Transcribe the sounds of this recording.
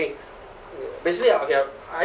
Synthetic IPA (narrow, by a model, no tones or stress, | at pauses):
ɪ̃ŋ | besɪkliaokʰe | a